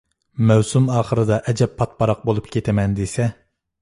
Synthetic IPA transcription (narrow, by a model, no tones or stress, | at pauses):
mɛwsumɑːχəɾɨd̪ɑʔɛd͡ʒɛpʰːɑt̪̚pɑɾɑq̚bolˠupkʲʰet̪ʰɪmɛnd̪esɛ